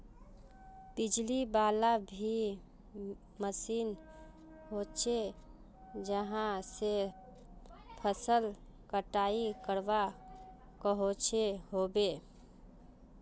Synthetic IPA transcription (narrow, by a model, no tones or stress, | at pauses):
b̥ɪd͡ʒlibaːlabʱi | məsiːn | ɦoːt͡ʃʰe | d͡ʒəɦãse | pʰəsəlkəʈaːikəɾʋa | kəɦot͡ʃʰeɦoːbeː